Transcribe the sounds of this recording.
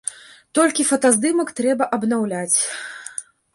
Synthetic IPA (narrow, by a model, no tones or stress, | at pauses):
t̪ɔlʲkʲifɐt̪azd̪ɨmɐkt̪ɾɛbɐʔɐbnawlʲat͡sʲ